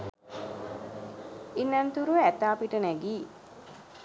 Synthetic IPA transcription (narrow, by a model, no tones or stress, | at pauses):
inːant̪uɾuʋeæt̪aːpiʈənæɡiː